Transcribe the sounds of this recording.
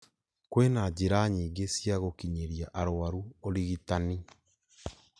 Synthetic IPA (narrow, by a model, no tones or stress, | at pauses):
kwenad͡ʒiɾaɲiːɡesiaɣokiɲeɾiaʔaɾoaɾuoɾiɣitani